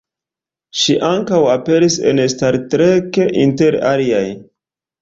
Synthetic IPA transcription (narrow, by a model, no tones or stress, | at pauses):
ʃiʔaŋkawape̞ɾisḛnstaɾtɾekeʔinte̞ɾa̰liaj